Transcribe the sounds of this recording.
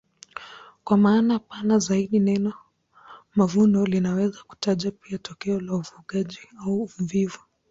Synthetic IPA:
kwamaːnapanazaiɗinɛnɔ | mavundɔlinawɛzaku̥taʄapiatʰɔkɛɔlaufuɠaʄiauːuɱvivu

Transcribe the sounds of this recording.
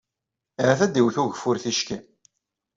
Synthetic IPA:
ɾaθæd̪iwθuʝəfʊɾθiʃki

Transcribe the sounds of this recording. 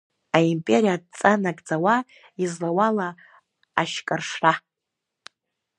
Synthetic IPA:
aimpʼe̞ɾijadt͡sʼanakʼd͡zawa | izlawala | aʃkʼarʂra

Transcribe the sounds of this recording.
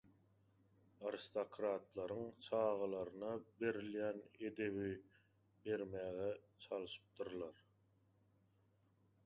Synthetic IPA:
ɑɾist̪okʰɾɑt̪lˠɑɾɯŋt͡ʃʰɑːʁɑlˠɑɾɯnɑbe̞ɾiljæːne̞d̪e̞βi | be̞ɾmæːɣet͡ʃʰɑlˠɯʃɯ̥p̚d̪ɯɾlˠɑɾ

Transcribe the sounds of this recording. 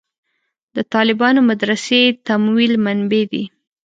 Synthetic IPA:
d̪̥ət̪ɑlɪbɑnomad̪ɾaset̪amwilmanbed̪ḭ

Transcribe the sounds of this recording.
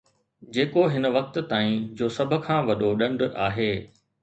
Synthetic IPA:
d͡ʑeːkoɦɪnə̆ʋɐk̚t̪̆t̪aːĩd͡ʑoːsɐbʱʊ̆kʰãːʋɐɗoɗɐ̃ɳɖʔaːɦeː

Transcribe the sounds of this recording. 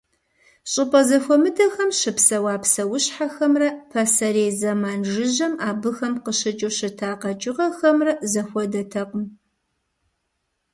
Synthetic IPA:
ɕʼɪpʼɐzɐxʷɔmɨdɐxɐmʃɪpsɐwaːpsɐwʊɕħaxɐmrɐpʰɐsɐɾeːzɐmaːnʒɨʒʑɐmaːbɨxɐmqəɕɪt͡ʃʼuwɕɪtʰaːqɐt͡ʃʼɪʁɐxɐmrɐzɐxʷɔdɐtʰɐqʷm

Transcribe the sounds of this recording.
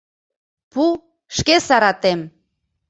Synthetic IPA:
pu | ʃkesɑɾɑt̪em

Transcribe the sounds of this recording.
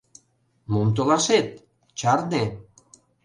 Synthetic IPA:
mumt̪̬olaset̪̚ | t͡ɕaɾne

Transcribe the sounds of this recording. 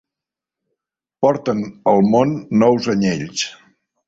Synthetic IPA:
pɔɾt̪ənəlˠmonːɔwzəɲeʎs

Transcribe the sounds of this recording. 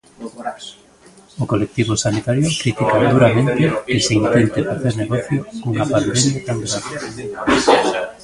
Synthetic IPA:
okolek̚t̪iβʊsanit̪aɾjʊkɾit̪ikad̪uɾamẽnt̪ɪkɪseint̪ent̪efaθeɾneɣɔθjouŋapand̪emjat̪aŋɡɾaβe

